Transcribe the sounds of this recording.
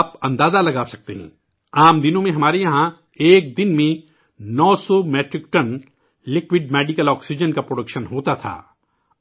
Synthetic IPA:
pɐ̰̃nd̪aːzalɐɡaːsɐ̥k̚t̪ḛɦɛ̰̃ː | aːmd̪ɪnõmẽɦɐmaːɾejɐɦã | eːk̚d̪ɪnmẽ | nɔːsɔmɛːʈɾɪkʈɐn | lɪkwɪɖmɛːɖɪkəlɔːksɪd͡ʒənkapɾoːɖəkʃənɦoːt̪at̪ʰa̰ː

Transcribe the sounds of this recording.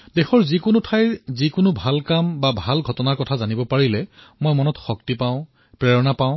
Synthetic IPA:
dexɔɹzikʊnʊtʰajzikʊnʊbʱalkambabʱalɡʱɔtɔnaɹkɔtʰazanibɔpaɹilɛ | mojmɔnɔtxɔk̚tipaʊ̃ | pɹɛɹɔnapaʊ̃

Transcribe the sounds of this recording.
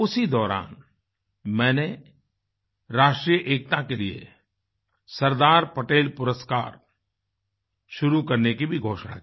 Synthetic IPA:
ʊsid̪ɔːɾa̰ːn | mɛ̃ːne | ɾaːʃʈɾijəʔeːkt̪akeliḛ | sɐɾd̪aːɾpɐʈeːlpʊɾəska̰ːɾ | ʃʊɾukɐɾnekibʱiɡʱoːʃna̰kiː

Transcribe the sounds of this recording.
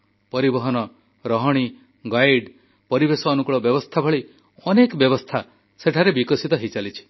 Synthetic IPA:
pɔɾibɔɦɔnɔ | ɾɔɦɔɽ̃i | ɡajɖ | pɔɾibesɔːnukɭɔbjɔbɔst̪ʰabʱɔɭi | ɔnekbjɔbɔst̪ʰa | seʈʰaɾebikɔsit̪ɔɦit͡ʃalit͡ʃʰi̥

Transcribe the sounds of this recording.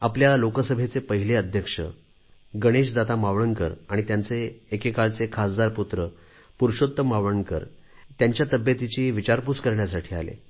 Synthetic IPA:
apljalokəsəbʱet͡sepəɦileəd̪ʱjəkʂə̰ | ɡəɽ̃eɕd͡zat̪amaʋɽənkəɾaɽ̃it̪jant͡seːkekaɭt͡sekʰasd͡z̪aɾput̪ɾə | puɾɕot̪ːəmaʋənkə̰ɾt̪jaɲt͡ɕjat̪əbjət̪it͡ɕiːʋit͡ɕaɾput͡skəɾɳjasaʈʰiːalḛ

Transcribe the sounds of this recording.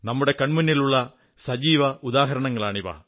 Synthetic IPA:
nɐmːɯɽɐkɐɳmɯnːɪlʊɭːɐ | sɐd͡ʒiːʋɐʔʊðaːɦɐɾɐɳɐŋɡɐɭaːɳiʋa̰ː

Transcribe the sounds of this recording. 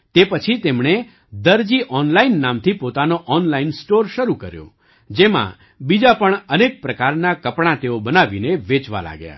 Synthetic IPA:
t̪epət͡ʃʰit̪emɽ̃e | d̪əɾd͡ʒiʔɔnlainːamt̪ʰipot̪anoʔɔnlainsʈoɾʃəɾukəɾjo̰ | d͡ʒemã̰ | bid͡ʒapəɳənek̚pɾəkaɾnakəpɽ̃ãt̪eobənaʋineʋet͡ʃʋa̰la̰ɡja̰

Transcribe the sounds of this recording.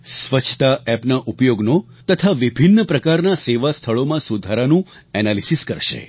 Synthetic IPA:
sʋət͡ʃʰt̪aɛpnaʔupjoɡno | t̪ət̪ʰaʋibʱinːəpɾəkaɾnaseʋast̪ʰəɭomãsud̪ʱaɾanũ | ɛnalisiskəɾʃḛ

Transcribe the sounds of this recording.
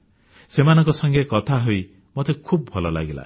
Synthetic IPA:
semanɔŋkɔsɔŋɡekɔt̪ʰaɦoj | mɔt̪ekʰub̚bʱɔlɔla̰ɡila̰

